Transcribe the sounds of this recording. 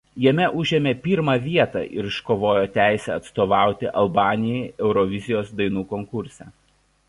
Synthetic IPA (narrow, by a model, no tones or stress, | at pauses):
jɛmʲɛʔʊʒʲeːmʲeːpʲɪɾmɑːʋʲiɛt̪ɑ̰ːʔɪɾɪʃkoːʋoːjoːt̪ʲæˑɪsʲɛ̰ɐt̪st̪oːʋɑˑʊt̪ʲɪʔɐlˠbɑːnʲɪjɛɪɛʊɾɔʋʲɪzʲɪjoːsd̪ɐɪnuːkɔŋkʊɾʲsʲɛ